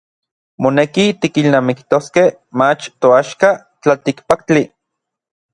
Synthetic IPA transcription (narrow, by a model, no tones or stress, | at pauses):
monekit̪ikilnaːmikt̪oskeh | mat͡ʃt̪oaʃka | t͡ɬat̪ikpakt͡ɬi